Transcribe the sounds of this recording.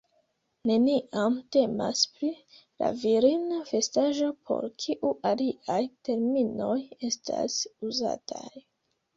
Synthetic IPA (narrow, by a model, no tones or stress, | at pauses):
ne̞niʔamte̞maspɾi | la̰viɾinafe̞staʒo̞pʰo̞̰ɾkʰiʔuʔaliʔajte̞ɾmino̞je̞stʰa̰suza̰tʰaj